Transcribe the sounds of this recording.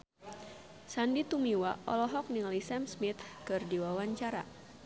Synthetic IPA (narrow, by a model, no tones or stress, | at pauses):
sandit̪umiwaʔɔ̰lɔɦɔk̚niŋalisɛmsmit̪kɨrdiwawaɲt͡ʃaɾa̰